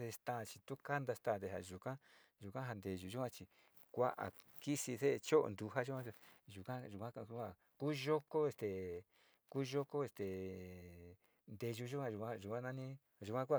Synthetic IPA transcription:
ðe˧st̪aː˦˧˨t͡ʃi̥˧t̪u˦ka˦nd̪a˧st̪ã˦˨d̪e˧˨ɦa˨ʒu˨kã˦ | ʒu˨kʷã˦ɦa˧nd̪e˧ʒu˧ʒu˦kʷã˦t͡ʃi˧ | kʷa̰˦ʔa̰˨ | ki˦si˧se˦ʔt͡ʃo˦ʔo̰˧nd̪u˧ɦa˦ʒu˦kʷã˦˧ʒu˨kã˦ʒu˨kʷã˦˧˦a˦˧ | kuː˦ʒo˦ko˦e˧st̪e˨ | kuː˦ʒo˦ko˦e˧st̪e˨ | nd̪e˧ʒu˧ʒu˦kʷã˧ʒu˨˧kʷã˦ʒu˨kʷã˦nã˦nĩ˦˨ | ʒu˨kʷã˦ku˦a˧

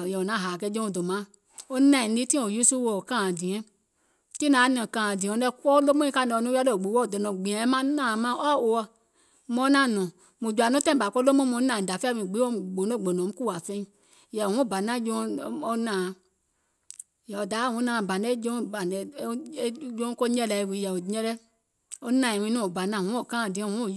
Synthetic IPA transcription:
jɛ˨o˨nã˨˦˨ɦa˨kɛ˧˦d͡ʒõ˦o˨do˨mã˨˦ | o˦nã˦˨˦i˦tĩ˦o˨ju˦su˦wo˨kã˦˨dĩ˨ɛ̃˦ | ti˦nã˨˦nɛ̃˨kã˨dĩ˨ɔ˨˧˦nɛ˧kɔ˦lo˦mõ˦ĩ˦ka˦n˨˧˨nũ˦a˦do˦o˨ɡ͡bu˨˦wɔ˦˨dɔ˨nɔ̃˨ɡ͡bĩ˨ɛ̃˨˦mã˦nã˦˨˦mã˦ʔɔ˦˨o˧ɔ˧˦ | mɔ̃˧˦nã˦˨nɔ̃˨ | mu˨d͡ʒu˨a˨nõ˦tɛ̃˦˨ba˨kʷo˦lo˦mõ˦mɔ̃˧˦ã˨da˨fwĩ˨ɡ͡bi˨˦o˦m˨ɡ͡bo˨no˦˨ɡ͡bo˨nɔ̃˨m̩˦ku˦˨a˨fɛ˧˦ĩ˧˦˨ | jɛ˨ũ˦˨ba˨nã˦d͡ʒo˧˦o˧˦nã˨ | jɛ˨o˨da˨˦˨ũ˨˦nã˨ba˨nɛ˦d͡ʒo˦˨ba˨nɛ˨˦d͡ʒo˦ko˦ɲɛ˦lɛ˧˨wi˨˧˨jɛ˨o˨˦ɛ˦lɛ˦ | o˦nã˧˨ɛ˨wĩ˧nũ˦o˨ba˨nã˨wũ˨˦o˦˨kã˦˨dĩ˨˦ɔ̃˦˨ũ˦o˦˨˦

